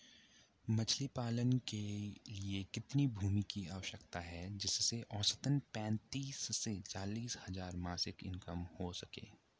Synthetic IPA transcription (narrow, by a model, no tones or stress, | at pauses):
mɐt͡ʃʰlipaːlənkeliekɪt̪nibʱuːmikiaːʋəʃəkt̪aɦɛd͡ʒɪsːeʔɔːsə̥t̪ənpɛ̃ːnt̪iːsːet͡ʃaːliːshɐzaːɾmaːsɪkɪ̰̃nkəmhosɐkḛː